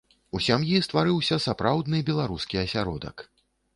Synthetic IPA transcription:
usʲamjist̪vaɾɨwsʲɐsapɾawd̪nɨbʲɛlˠaɾuskʲiɐsʲaɾɔd̪ɐ̰k

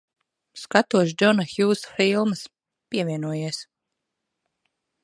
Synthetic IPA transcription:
skat̪uɔʃd̪ɔnaxjuːsfilˠmɨs | piɛvʲiɛnuɔjiɛs

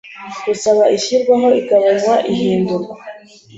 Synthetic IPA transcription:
ɡ̥usaβaʔiçiɾɡwaɦo̞ikaβanwaʔiɦiːnduɾɡwa

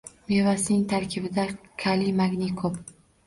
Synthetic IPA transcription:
mevasɪnɪŋt̪ʰaɾkʲʰɪbɪd̪akʲʰalimaɡʲnɪkʰɵp

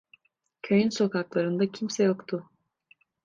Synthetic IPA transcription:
cʰøjynso̞kaklˠaɾɯnd̪acʰimsɛjo̞kt̪ʰʊ

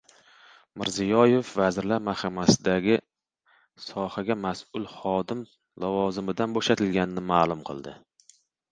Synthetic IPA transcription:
mɪ̰ɾzijɒje̞fvazɾlaɾmahamasɪd̪aɡʲɪ | sɒhaɡʲamasʊlˠχɒd̪ɪm | lavɒzɪmɪd̪anboʃat̪ʰɪlɡʲanɪnɪmaːlˠʊmqʰɨ̰lˠd̪ɪ

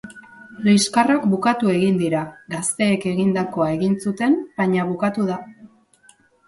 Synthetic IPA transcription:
liskarakbukat̪ue̞ɣind̪iɾaɡast̪e̞ːke̞ɣind̪ako̞ae̞ɣinsut̪e̞nbaɲaβukat̪uð̞a

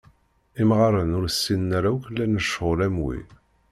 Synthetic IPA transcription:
imʁɑɾənʊɾsːinːaɾawkəlːænəʃʁʊlæmwḭ

